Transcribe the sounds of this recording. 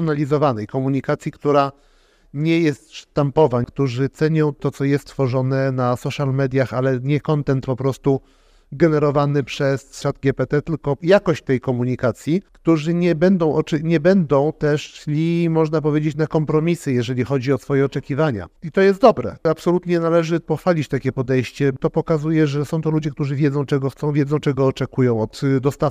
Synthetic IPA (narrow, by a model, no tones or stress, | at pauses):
nalʲizɔvanɛjkɔmuɲikat̪sʲjikt̪uɾa | ɲɛjɛst̪ʂt̪ampɔvakt̪uʐɘt̪sɛɲɔ̃w̃t̪ɔt̪sɔjɛst̪ːfɔʐɔnɛnasɔʂalmɛd̪ʲjaxalɛɲɛkɔnt̪ɛnt̪pɔpɾɔst̪u | ɡɛnɛɾɔvanɘpʂɛsʂat̪ɡʲɛpɛt̪ɛt̪ɘlkɔjakɔɕt͡ɕt̪ɛjkɔmuɲikat̪sʲjikt̪uʐɘɲɛbɛnd̪ɔ̃w̃ʔɔt͡ʂɛɲɛbɛnd̪ɔ̃w̃t̪ɛʂɕlʲimɔʐnapɔvʲjed͡ʑet͡ɕnakɔmpɾɔmʲisɘjɛʐɛlʲixɔd͡ʑiɔsfɔjɛɔt͡ʂɛkʲivaɲa̰it̪ɔjɛst̪d̪ɔbɾɛ̰apsɔlut̪ɲɛnalɛʐɘpɔxfalʲit͡ɕt̪akʲɛpɔd̪ɛjɕt͡ɕɛt̪ɔpɔkazujɛʐɛsɔ̃w̃t̪ɔlud͡ʑɛk̚t̪uʐɘvʲjɛd̪zɔ̃w̃t͡ʂɛɡɔxt̪sɔ̃w̃vjɛd̪zɔ̃w̃t͡ʂɛɡɔːt͡ʂɛkujɔ̃w̃ɔt̪d̪ɔst̪a